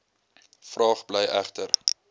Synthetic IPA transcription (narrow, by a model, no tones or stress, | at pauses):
frɑːχblɛjæχtər